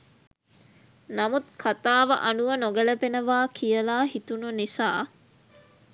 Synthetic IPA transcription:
nɐmut̪̚kʰat̪aːʋɐ̰ʔɐnuʋɐnoɡɐlɐpenəʋaːkʰijəlaːɦit̪ununisaː

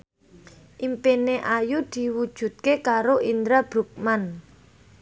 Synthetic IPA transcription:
ʔimpeneʔajud̪̥i̤wud̥ʒ̥ṳt̪̚kekaɾoʔind̪ɾab̥ɾṳk̚man

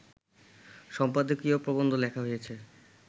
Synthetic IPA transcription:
ʃɔmpad̪okiopɾobond̪ʱolɛkʰaɦojet͡ɕʰe

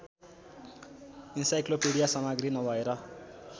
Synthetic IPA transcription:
insajklopeɽijasʌmaɡrinʌbʱʌeɾʌ

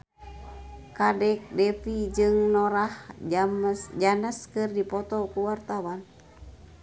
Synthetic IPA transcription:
kadɛk̚dɛfid͡ʒɨŋnɔɾahamd͡ʒanəskɨrdipɔt̪ɔkuwart̪awan

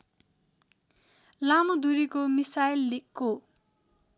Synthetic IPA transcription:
lamod̪uɾikomisajlːikːo

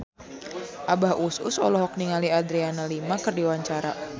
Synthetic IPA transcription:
ʔabahʔusṵsɔlɔɦɔk̚niŋaliadɾianalimakərdiwaɲt͡ʃaɾa̰

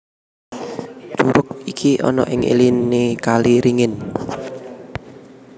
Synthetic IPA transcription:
d͡ʒ̥uɾʊk̚ikʰiʔɔ̰nɔ̰ʔɪŋḭlinikaliɾiŋɪn

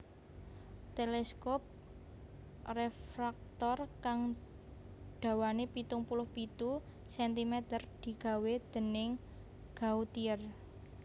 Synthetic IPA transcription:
t̪elɛskɔp̚ | refɾak̚t̪ɔrkaŋ | ɖ̪̥a̤wanepit̪ʊŋpulʊhpit̪u | sɛnt̪imet̪ərd̪̥i̤ɡ̥a̤wed̪̥ə̤nɪŋ | ɡ̥a̤ut̪iər

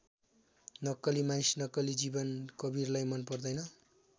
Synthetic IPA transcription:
nʌkːʌlimanisnʌkːʌlid͡zibʌnkʌbirlajmʌnpʌrd̪ʌjnʌ

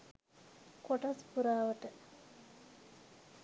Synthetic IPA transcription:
koʈaspuɾaːʋəʈə

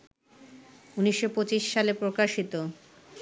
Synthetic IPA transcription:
uniʃːopot͡ɕiʃːalepɾokaʃit̪o

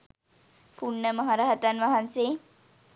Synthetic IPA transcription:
puɳːəmɐɦaɾaɦət̪anʋaɦanseː

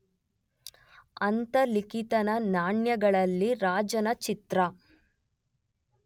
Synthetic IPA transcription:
ɐnt̪ɐlikit̪ɐnɐnaːɳjɐɡɐɭɐlːiɾaːd͡ʒɐnɐt͡ʃit̪ɾɐ

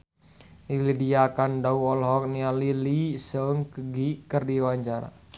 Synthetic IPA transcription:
lilidiakandauɔlɦɔk̚nialilisəŋkəɡikərdiwaɲt͡ʃaɾa̰

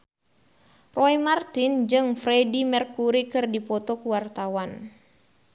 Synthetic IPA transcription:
rɔimart̪ind͡ʒɨŋfɾɛdimɛrkuɾikɨrdipɔt̪ɔkuwart̪awan

